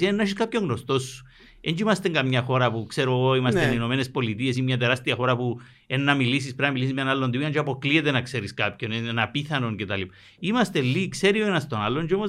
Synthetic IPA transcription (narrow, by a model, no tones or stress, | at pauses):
enːaʃiskapçoŋɡnost̪osːu̥ | end͡ʒimast̪eŋɡamɲaxoɾapukseɾooimast̪eninomenespolit̪iesimɲat̪̬eɾast̪iaxoɾapu | enːamilis̬ispeɾamilis̬izmjanalːond̪iiand͡ʒapokliet̪enakseɾiskapçoneenapiθanoŋket̪alipa | imast̪elːikseɾioenast̪onalːond͡ʒomo